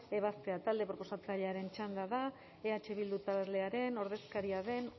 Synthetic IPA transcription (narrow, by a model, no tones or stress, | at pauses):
e̞β̞ast̪e̞at̪ald̪e̞pɾo̞po̞sat͡saʎe̞aɾe̞nt͡ʃand̪aða | eat͡ʃe̞βild̪ut̪ale̞aɾe̞no̞ɾð̞e̞skaɾiaðe̞n